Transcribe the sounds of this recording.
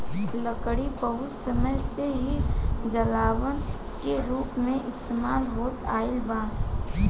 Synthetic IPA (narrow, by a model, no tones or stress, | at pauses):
ləkɽipəɦʊt͡ʃsəməjseɦid͡ʒəlaːʋən | keɾuːpmẽʔɪst̪eːmaːlɦoːt̪a̰ːɪlbaː